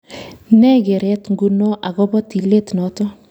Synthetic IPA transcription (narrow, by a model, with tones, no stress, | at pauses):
nɛ˦ɡe˨ɾɛ˦tŋɡu˦no˦ʔa˨ɣɔ˦bɔ˦ti˨le˦tnɔ˨tɔ˦